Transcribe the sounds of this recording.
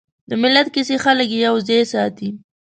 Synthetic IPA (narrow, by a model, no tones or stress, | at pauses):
d̪əmɪlːat̪̚kɪsexaləkejawzejsɑt̪i